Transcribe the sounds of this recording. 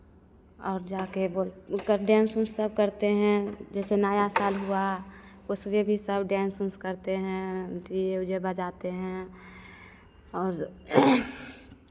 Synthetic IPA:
ɔːɾd͡ʒaːkeboːlkəɖɛ̃ːnsʊsəb̚kəɾt̪eɦɛ̃d͡ʒɛːsenaːjasaːlɦua | ʊsmebʱisəbɖɛ̃ːnsʊ̃nskəɾt̪eɦɛ̃ʈieʊd͡ʒebəd͡ʒaːt̪eɦɛ̃ | ɔːɾ

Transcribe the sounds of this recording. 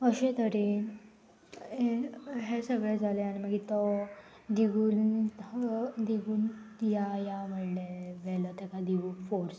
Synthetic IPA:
əɕet̪əɾi | eɦesəɡɭɛd͡zʱaleañiməɡit̪ɔ | d̪iɡuːn | d̪iɡuːnjajaʋəɽleʋɛlɔt̪ekad̪iɡufoɾs

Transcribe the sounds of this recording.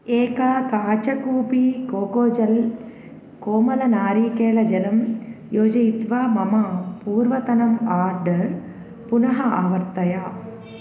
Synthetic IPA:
eːkakaːt͡ʃɐkuːpikoːkoːd͡ʒɐl | koːmɐlɐnaːɾiːkeːɭɐd͡ʒɐlɐmjoːd͡ʒɐjit̪ʋaːmɐmɐpuːɾʋɐt̪ɐnɐmaːɾɖɐɾ | punɐɦɐaːʋɐɾt̪ɐja

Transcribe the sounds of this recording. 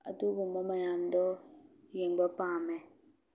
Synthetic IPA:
a̰tubomɔmajandɔjeŋ͡mɡ͡bapamɛ

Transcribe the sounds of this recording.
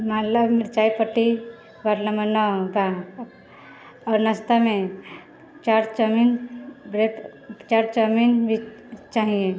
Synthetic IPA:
maləbmiɾt͡ʃaipəʈːi | baɾlamənaba | ɔɾnəst̪ame | t͡ʃaɾt͡ʃəminbɾet͡ʃaɾt͡ʃəminbʱit͡ʃaɦijẽ

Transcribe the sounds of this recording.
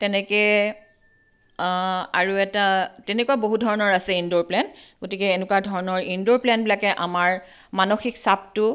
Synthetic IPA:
tɛnɛkɛ | aɹuɛtatɛnɛkuaboɦudʱɔɹɔnɔɹasɛindoplɛnɡotikɛːnukwadʱɔɹɔnɔɹindoplɛnbilakɛʔa̰maɹ | manoxiksap̚tʊ

